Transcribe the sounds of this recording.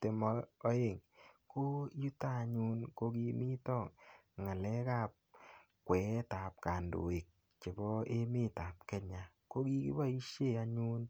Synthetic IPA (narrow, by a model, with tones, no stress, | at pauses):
te˨mɔ˧ɔ˨˦e˦˨ŋko˦ju˦ta˦˨ɲu˦nko˧ki˧mi˦tɔ˦˨ŋ | ŋa˨lɛ˦ka˦˨p̚ | kwɛ˨ta˨p̚ka˨ndo̰˨e˨k̚ | t͡ʃe˨bɔ˦e˦me˦ta˨p̚kɛ˦ɲa˨ | ko˦ki˦kḭ˦ba˦i˦ʃe˦˨a˧ɲu˦n